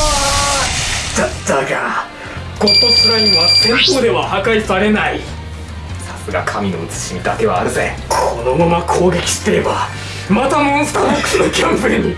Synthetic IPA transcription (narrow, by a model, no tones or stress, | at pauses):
adaɡa | ɡ̥o̞t̪ːo̞sɨɾaĩɰβat̪ẽmpoːd̪e̞βahakaisaɾe̞nai | sḁsɨɡa̰kʰamʲinoɯ̟t͡sɨ̥ɕimʲid̪ake̞βa̰ːɾɯ̟zḛ̃kʰono̞mamakʰo̞ːɡe̞kʲi̥ɕt̪ːeɾeba | mat̪amõ̞ñst̪ãoksnokʲãmpɯeɲi